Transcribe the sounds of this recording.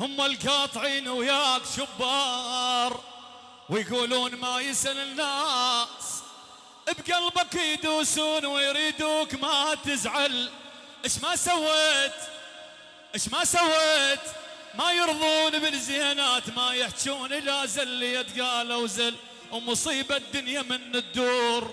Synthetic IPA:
hʊmːalkɑːt̪ˤʕiːnʊwjaːkʃʊbːɑːɾˤ | wɪjɡuːluːnmajɪsalɪnːaːs | ʔɪbɡalbaqijd̪uːsuːnwɪjɾiːd̪uːkmat̪ɪzʕal | ʔɪʃmasawːeːt̪ | ʔɪʃmasawːeːt̪ | majɨɾðˤuːnbɪlzɪhanaːt̪majɪħt͡ʃuːnʔɪlazɪlːijat̪ɡaːlawzal | wmʊsˤiːbad̪ːʊnjamɪnːɪd̪ːuːɾ

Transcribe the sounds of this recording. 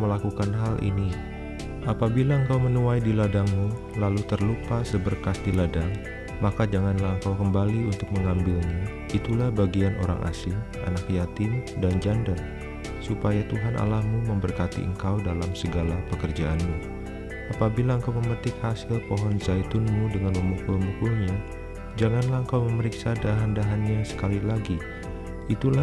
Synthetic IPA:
məlakukanɦalʔḭni | ʔapabilaəŋkawmənuajdiladaŋmu | lalut̪ərlupasəbərkasdiladaŋ | makad͡ʒaŋanlahəŋkawkəmbaliunt̪ʊk̚məŋambɪlɲa | it̪ulahbaɡianʔo̰ɾa̰ŋʔa̰sɪŋʔa̰nakjat̪ɪmdand͡ʒandər | supajat̪uɦanʔa̰lahmuməmbərkat̪ḭʔə̰ŋkawdalamsəɡalapəkərd͡ʒaʔanmu | ʔapabilaəŋkawməmət̪ɪkhasɪlpoɦɔnzajt̪ʊnmudəŋanməmukʊlmukulɲa | d͡ʒaŋanlahəŋkawməməɾiksadaɦandaɦanɲasə̥kalilaɡi | it̪ula

